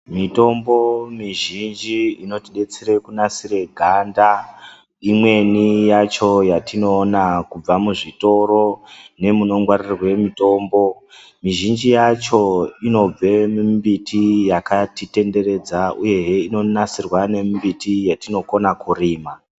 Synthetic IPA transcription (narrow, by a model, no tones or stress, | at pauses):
mito̞mbo̞miʒind͡ʒiino̞tiɗe̞t͡seɾe̞kunasire̞ɡʱanda | imwe̞nijat͡ʃo̞jatino̞ːnakub͡vamuʐito̞ɾo̞ne̞muno̞ŋɡwarirrwe̞mito̞ːmbo̞ | miʒind͡ʒijat͡ʃo̞ino̞b͡ve̞mumbitʰijakatite̞nde̞ɾe̞d͡zauje̞ɦeino̞nasirwane̞mbitijatino̞konakuɾiːma